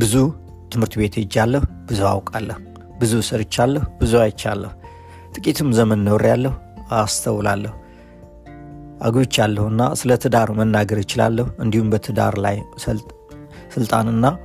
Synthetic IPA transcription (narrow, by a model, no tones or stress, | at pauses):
bɨzu | t̪ʰɨmhɨɾt̪be̞t̪ʰd͡ʒːalːəhb̥ɨzua̰wkʼalːəh | bɨzusəɾɪt͡ʃːalːəhbɨzuajɪt͡ʃːa̰lːəhu | t̪ʼɨkʼit̪ʰɨmzəmənːəwɾjalːəhuast̪ʰəwːlalːəhu | ʔa̰ɡot͡ʃːalːəhɨnːa̰sɨlət̪ʰɨd̪aɾmənːaɡəɾjɪt͡ʃɪla̰lːəhuɨnd̪ihumbət̪ʰɨd̪a̰ɾlaj | sɨlt̪ʼa̰nɨnːa